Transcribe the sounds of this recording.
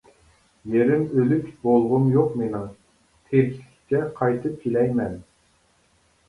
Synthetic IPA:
jeɾɪmølykʲbolˠʁʊmjoqmenɪŋ | t̪ʰeɾkʲʰi̥ɪ̥kʰʲt͡ʃʰɛqʰɑjt̪ʰɨp̚kʲʰilɛjmɛn

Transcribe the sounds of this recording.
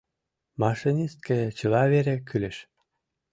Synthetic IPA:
mɑʃinʲist̪̚kĕt͡ɕə̆lɑβeɾĕkyleʃ

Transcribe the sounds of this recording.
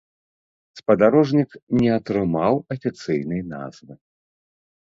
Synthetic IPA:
spɐd̪aɾɔʐnʲiknʲɛɐt̪ɾɨmawɐfʲit̪sɨjnɨjna̰zvɨ

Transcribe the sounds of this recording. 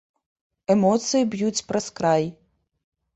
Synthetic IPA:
ɛmɔt̪sɨjibjut͡sʲpɾɐskɾaj

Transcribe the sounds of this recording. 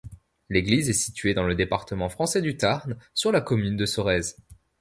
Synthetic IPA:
leɡlizɛsi̥t̪ɥed̪ɑ̃ləd̪epaʁt̪əmɑ̃fχɑ̃sɛd̪yt̪aʁnsyʁlakɔmynd̪əsɔʁɛz

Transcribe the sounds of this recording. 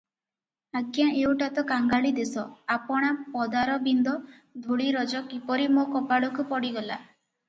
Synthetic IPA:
aɡjaʔewʈat̪ɔkaŋɡaɭid̪esɔapɔɽ̃apɔd̪aɾɔbind̪ɔ | d̪ʱuɭiɾɔd͡ʒɔkipɔɾimokɔpaɭukupɔɽiɡɔla

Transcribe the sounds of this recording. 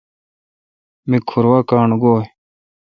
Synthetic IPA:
mikʰuɾwaːkaːɳɡoː

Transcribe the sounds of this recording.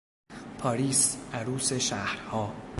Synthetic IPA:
pʰɒːɾiːsʔæɾuːse̞ʃæhɾhɒː

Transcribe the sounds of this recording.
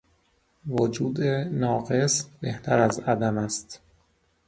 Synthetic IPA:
vod͡ʒuːd̪enɒːɢe̞sbeht̪ʰæɾæzæd̪æmæst̪

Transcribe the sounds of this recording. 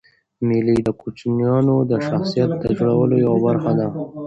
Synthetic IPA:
mɪlid̪əkut͡ʃnijɑnod̪əʃaxsijat̪̚d̪əʒoɽawəlojawabaɾxad̪a

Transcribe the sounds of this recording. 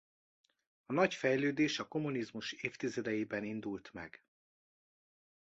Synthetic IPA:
ɒnɒcfɛjløːd̪eːʃɒko̞munizmuʃeːft̪izɛd̪ɛjiːbɛnind̪ult̪mɛ̰ɡ̥

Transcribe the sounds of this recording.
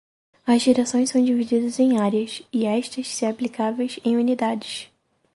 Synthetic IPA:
ɐzʒeɾasõj̃sɐ̃w̃d͡ʒivid͡ʒid̪ɐzẽj̃aɾiɐsɪɛʃt̪ɐʃsiaplikavejzẽj̃unid̪ad͡ʒɪs

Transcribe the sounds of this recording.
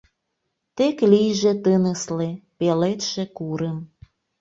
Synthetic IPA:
t̪eklijʒet̪ənəslepelet̪ʃĕkuɾəm

